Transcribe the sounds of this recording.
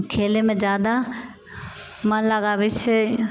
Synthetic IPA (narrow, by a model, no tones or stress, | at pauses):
kʰeːlemẽd͡ʒjaːd̪a | mãlaɡaːʋit͡ʃʰe